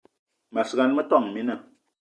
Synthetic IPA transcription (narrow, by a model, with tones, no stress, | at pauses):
ma˨sɣa˨nmə˦tɔ˦˨ŋmi˦nə˨